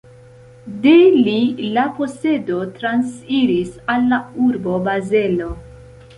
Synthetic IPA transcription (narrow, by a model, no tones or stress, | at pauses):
delilapo̞se̞do̞tɾansiɾisalːauɾbo̞baze̞lo̞